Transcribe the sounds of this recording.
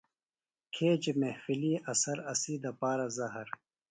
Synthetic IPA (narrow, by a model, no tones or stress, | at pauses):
kʰeːd͡ʑemehfiliʔɐsɐɾɐsiːd̪ɐpaːɾɐzɐɦɐɾ